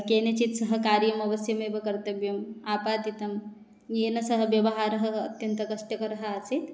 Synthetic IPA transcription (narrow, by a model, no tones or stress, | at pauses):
kenet͡ʃit̪sɐɦɐ̆kaːɾjɐmɐʋɐsjɐmebɐkɐɾt̪ɐbjɐmaːpaːt̪it̪ɐm | jeːnɐsɐɦɐʋjɐʋɐɦaːɾɦɐːt̪jɐnt̪ɐkɐʃʈjɐkɐɾɐɦəaːsit̪